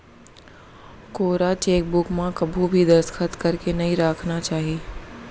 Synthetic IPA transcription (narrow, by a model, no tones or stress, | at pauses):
koːɾat͡ʃeːk̚bʊkmãkɐbʱubʱid̪ɐɾskʰət̪kɐɾkenɐɦĩɾaːkʰnat͡ʃaːɦieː